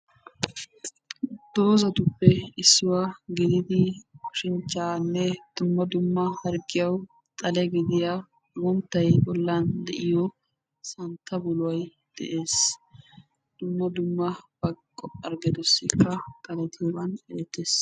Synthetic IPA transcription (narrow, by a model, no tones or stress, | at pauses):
d̪̥o̞ːzɐt̪ʊpːɛɪsːɪwaɡɪd̪ɪd̪ɪkʊʃɪnt͡ʃːaːnːɛd̪̥ʊmːɐd̪ʊmːɐhɐɾɡɪjɐw | t̪ʼɐlɛɡɪd̪ɪja | wɔnt̪ːɐjbɔlːand̪ɛʔɪjɔ | sɐnt̪ːɐbʊlʊwɐj | d̪̥ɛ̰ʔe̞ːs | d̪̥ʊmːɐd̪ʊmːɐbɐkʼːɔpːɐɾɡɛd̪ɔsːɪkːɐt̪ʼɐlɛt̪ɪjɔbɐnɛɛt̪ːeːs